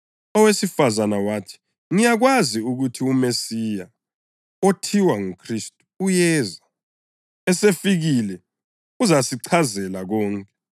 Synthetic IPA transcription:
ɔwesifazanawaːtʰi̥ | ŋijaɣ̬waziuɣutʰiumesija | otʰiwaŋukʰristʼu̥ːjɛːza | ɛsefiɣilɛ | uzasiǀʰazɛlaɣɔːŋkʼɛ

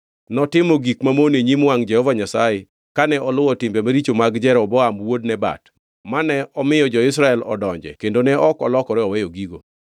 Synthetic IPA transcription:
nɔtɪmoɡikmamoneɲimwaŋd͡ʒɛhɔvaɲasaje | kanɛʔɔlʊwɔtɪmbemaɾit͡ʃomaɡd͡ʒɛɾɔbɔamwodnɛba̰t | manɛɔmɪjɔd͡ʒɔɪs̬ɾaɛlɔ̰dɔɲd͡ʒɛ̰kendonɛʔɔkɔ̰lɔkɔɾɛɔwɛjoɡiɡo

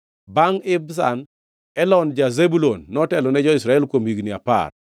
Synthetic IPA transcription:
baŋɪbs̬a̰n | ɛlɔnd͡ʒazebulonːɔtɛlɔnɛd͡ʒɔisɾaɛlkwomiɡnia̰pa̰r

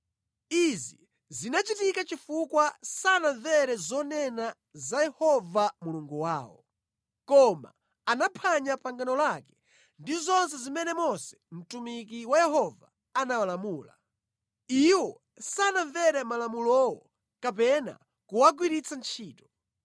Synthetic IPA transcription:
izi | zinat͡ʃitikat͡ʃifukwasanavɛɾɛzɔnɛna | zajɛhɔvamuluŋɡuwa̰ːwɔ̰ | kɔma̰ | anapʰaɲapaŋɡanɔlakɛ̥ | ndizɔnsɛzimɛnɛmɔsɛ̥m̩tumik̬iwajɛhɔva | anawalamuːla | iwɔ | saːnavɛɾɛmalamulɔwɔ | kap̬ɛna̰ | kuwaɡwiɾit͡sʰant͡ʃʰiːtɔ̥

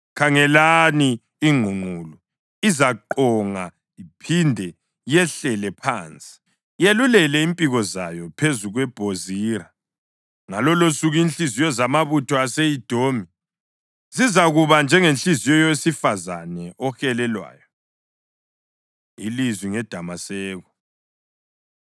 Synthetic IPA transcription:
kʰaŋɛlaniː | ŋ͡ǃʱuŋ͡ǃʱuːlu | izaǃɔŋa | ipʰindʱɛ | jɛɬɛlɛpʰa̰ːnt͡sʼi̥ | jelulɛlɛimpʼiɣɔza̰jɔpʰezuɣwɛb̥ʱoziɾa | ŋalɔlosuɣinɬʼizijɔzamaβutʰɔasejid̥ʱoːmi | sizaɣuβand͡ʒʱɛŋenɬizijɔjɔwesifazanɛʔɔxɛlɛlwa̰ːjɔ | ḭlizwiŋɛd̥ʱamasɛːɣɔ

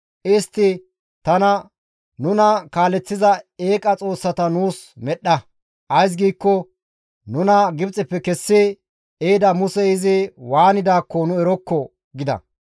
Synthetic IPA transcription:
ʔɪst̪ːɪ | t̪ɐnɐ | nʊnɐkaːlɛt͡sːɪzɐeːkʼɐt͡sʼo̞ːsːɐt̪ɐnuːs | mɛɗːɐ | ʔɐjs̬ɡiːkːɔ | nʊnɐɡɪbt͡sʼɪpːɛkɛsːɪ | eːd̪ɐmʊsɛɪzɪwaːnɪd̪aːkːɔnʊɛɾɔkːɔ | ɡɪd̪ɐ̰

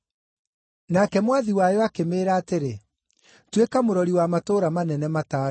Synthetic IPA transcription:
nakɛmwaðiwajɔakemeɾaːteɾe | twekamoɾɔɾiwamatoːɾamanɛnɛmataːɾ

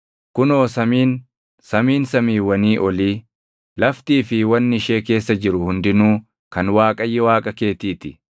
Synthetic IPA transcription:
kʊnoːsɐmiːn | sɐmiːnsɐmiːwɐniːʔɔliː | lɐft̪iːfɪwɐnːɪɪʃe̞ːke̞ːsːɐd͡ʒɪɾʊhʊnd̪ɪnuː | kɐnwaːkʼɐjːɛwaːkʼɐke̞ːt̪iːt̪ɪ

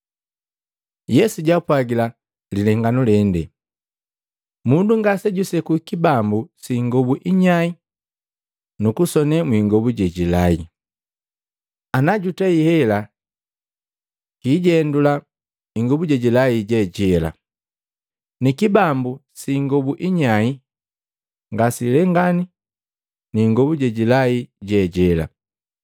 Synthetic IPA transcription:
jɛsuɟapwaɡila | lilɛŋɡanulɛndɛ | munduŋɡasɛɟusɛkukibambusiŋɡɔbuʔiɲai | nukusɔnɛmwiŋɡɔbuɟɛɟilai | anaɟutaihɛla | kiɟɛndula | iŋɡɔbuɟɛɟilaiɟɛɟɛla̰ | nikibambusiŋɡɔbuʔiɲai | ŋɡasilɛŋɡani | niŋɡɔbuɟɛɟilaiɟɛɟɛla̰

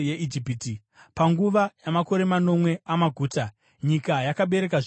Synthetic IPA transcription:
jeʔid͡ʒipiti | paŋɡuʋajamako̞ɾe̞mano̞mwe̞amaɡʱuːta | ɲikajakaɓe̞ɾe̞kaʐ

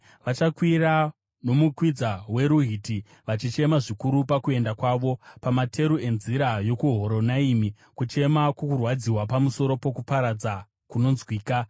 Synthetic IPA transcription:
ʋat͡ʃakwira | no̞mukwid͡zawe̞ɾuɦiːti | ʋat͡ʃit͡ʃe̞maʐikuɾupakue̞ndakwaːʋo̞pamatʰe̞ɾue̞nziɾajo̞kuɦo̞ɾo̞naimi | kut͡ʃe̞makwokurwad͡ziwapamuso̞ɾo̞po̞kupaɾad͡za | kuno̞nzwiːka

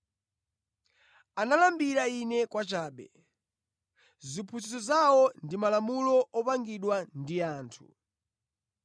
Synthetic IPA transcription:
analambiɾainɛkwat͡ʃaːɓɛ | zipʰusisɔzawɔndimalamulɔɔpaŋɡiɗwandiaːntʰu

